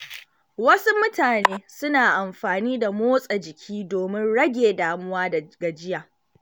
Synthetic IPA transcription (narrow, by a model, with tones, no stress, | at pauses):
wɐ˦su˦mʊ˦taː˨neː˦sʊ˦naː˨ʔa˨mɸaː˨niː˦da˨moː˦sʼɐ˨d͡ʒɪ˨kʲʰiː˦doː˨mɪ˦nɽɐ˦ɡʲeː˨daː˨mʊ˦waː˦dɐ˨ɡa˨d͡ʒɪ˦jaː˨